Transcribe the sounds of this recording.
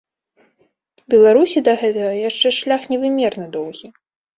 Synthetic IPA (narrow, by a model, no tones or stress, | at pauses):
bʲɛlˠaɾusʲid̪ɐɣɛt̪ɐɣɐjaʂt͡ʂɛʂlʲaxnʲɛvɨmʲɛrnɐd̪ɔwɣʲi